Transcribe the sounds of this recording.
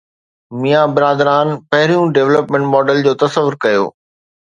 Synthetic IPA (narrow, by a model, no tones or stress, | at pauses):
mijabɪɾaːd̪ɾaːnpɐɦɪɾijũɖeːʋləpmẽɳʈmɔːɖəld͡ʑoːt̪ɐsəʋʊɾkɐjo̰ː